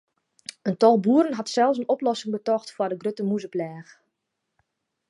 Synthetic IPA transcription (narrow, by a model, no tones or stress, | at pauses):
əntɔlˠbuəɾənɦatsɛlˠfs̬ənoplɔsɪŋbətɔxtfwɔdəɡrøtəmuzəplɛːx